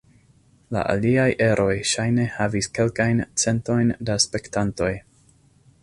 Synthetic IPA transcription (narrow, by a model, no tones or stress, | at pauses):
la̰ʔa̰liajʔe̞ɾʔo̞jʃajne̞haviske̞lkajnt͡se̞nto̞jndaspe̞ktanto̞j